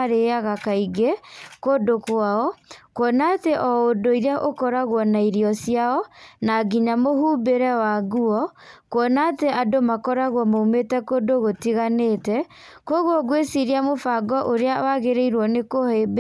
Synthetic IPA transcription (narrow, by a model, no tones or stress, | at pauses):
aɾeaɣakaiɡekodokwaɔkwɔnaːteʔɔodoiɾeaʔokɔɾaɣwɔnaiɾiɔsiaɔnaɡiɲamoɦuːbeɾɛwaɣuɔ | kwɔnateadomakɔɾaɣwɔmoumetɛkodoɣotiɣaneːtɛ | koɣwɔɡwesiɾiamofaɡɔʔoɾeawaɣeɾeiɾwɔnekoheb